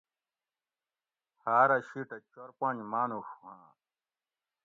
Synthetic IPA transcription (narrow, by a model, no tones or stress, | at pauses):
haːɾɐɕiʈɐt͡ɕoɾpãɲd͡ʑmaːnuxuhã̰